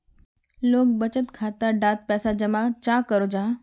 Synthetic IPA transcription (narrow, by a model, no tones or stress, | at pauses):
loːk̚bɐt͡ɕət̪kʰaːt̪əɖaːt̪̚pɛːsad͡ʑɐmat͡ɕaːkɐɾod͡ʑaː